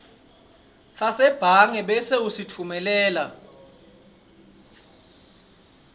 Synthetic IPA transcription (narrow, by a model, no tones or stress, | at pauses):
sasɛb̥ʱaŋɛɓɛseusit͡fʰumɛlɛːla